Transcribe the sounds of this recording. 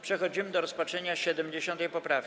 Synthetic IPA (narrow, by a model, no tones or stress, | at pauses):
pʂɛxɔd͡ʑimɘd̪ɔɾɔspat͡ʂɛɲaɕɛd̪ɛmd͡ʑeɕɔnt̪ɛjpɔpɾafkʲ